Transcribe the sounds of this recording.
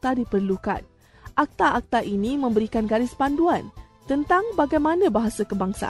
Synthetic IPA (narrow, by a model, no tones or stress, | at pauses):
t̪adipərluka̰n | ʔak̚t̪aʔak̚t̪aʔinĩmə̃mbəɾikanɡaɾɪspanduan | t̪ənt̪aŋbaɡajmãnãbaɦasakəbaŋsa̰